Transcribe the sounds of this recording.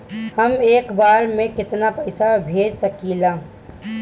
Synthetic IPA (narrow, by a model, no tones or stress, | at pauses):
hɐmeːkbaːɾmẽkɪt̪napɐɪsabʱeːd͡ʒsɐkiːlaː